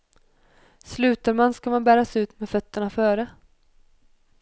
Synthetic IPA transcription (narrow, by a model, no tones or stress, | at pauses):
slʉ̟ːt̪aɾmanskamanbæːɾasʉ̟ːt̪mɛdfœt̪ːəɳafœːɾə